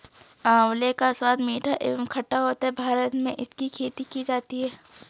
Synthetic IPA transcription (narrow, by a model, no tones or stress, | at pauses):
ãːʊlekaswaːd̪miːʈʰaʔḛːbəmkʰɐʈːaɦoːt̪aɦɛbʱaːɾət̪mẽʔɪskikʰeːt̪ikid͡ʒaːt̪iɦɛː